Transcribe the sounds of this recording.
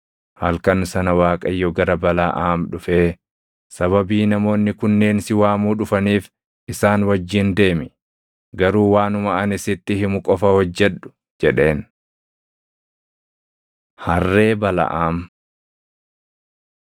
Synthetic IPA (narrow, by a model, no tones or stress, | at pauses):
hɐlkɐnsɐnɐwaːkʼɐjːɔɡɐɾɐbɐlaʔaːmᶑʊfeː | sɐβɐbiːnɐmo̞ːnːɪkʊnːe̞ːnsɪwaːmuːᶑʊfɐniːf | ʔɪsaːnwɐd͡ʒːɪnd̪e̞ːmɪ | ɡɐɾuːwaːnʊmɐɐnɪsɪt̪ːɪhɪmʊkʼɔfɐhɔd͡ʒːɛɗʊ̥ | d͡ʒɛᶑe̞ːn | hɐrːe̞ːbɐlɐ̰ʔaːm